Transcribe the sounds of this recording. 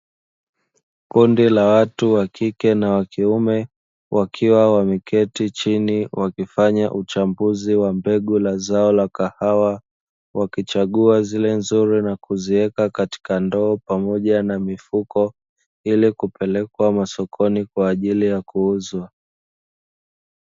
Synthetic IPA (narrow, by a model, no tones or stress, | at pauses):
kundilawatuwakʰikɛnawakiumɛ | wʔakʰiwawamikɛtit͡ʃiniwʔakifaɲaʔut͡ʃambuziwambɛɠulazaɔlakahawa | wakit͡ʃaɠuazilɛnzuɾinakuziɛkakati̥kandɔːpamɔʄanamifukɔ | ilikupɛlɛkwamasɔkʰɔnikwaːʄilijakuuzwa